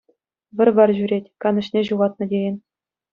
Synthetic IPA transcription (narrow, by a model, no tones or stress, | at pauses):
ʋʲɘ̆rʲʋɑrʑyɾʲetʲkɑnɤ̆ɕnʲeʑuʁɑt̪̚nɤ̆dʲejɘ̆nʲ